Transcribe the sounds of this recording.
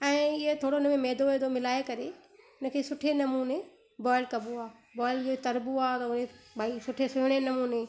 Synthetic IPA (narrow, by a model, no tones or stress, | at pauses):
ɛ̃ːɪɦet̪ʰoːɽoɪnəmẽmɛːd̪oeːd̪omɪlaːekɐɾe | ʊnə̆kʰeːsʊʈʰenɐmuːne | bɔːɪlkɐbuaː | bɔːɪld͡ʑot̪ɐɾbuaːt̪ɐʊnebaːisʊʈʰesʊɦɽ̃enɐmuːne